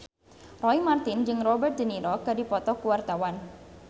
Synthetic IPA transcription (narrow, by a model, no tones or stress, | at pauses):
rɔimart̪ind͡ʒɨŋrɔbɛrt̪̚d͡ʒəniɾɔkadipɔt̪ɔkuwart̪awan